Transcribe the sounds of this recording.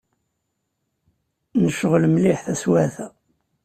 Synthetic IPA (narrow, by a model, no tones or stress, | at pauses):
nəʃəʁlmliħθæswæθæ